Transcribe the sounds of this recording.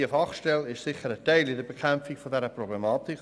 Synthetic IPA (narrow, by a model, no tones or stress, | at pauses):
əfɑχʃtɛlɪʃsɪχəɾəteɪlɪdəbekʰɛmfɪɡfɔdɛɾəprɔblemɑːtɪk